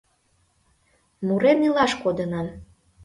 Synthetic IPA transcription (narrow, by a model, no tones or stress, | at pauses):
muɾenilɑʃkod̪ənɑn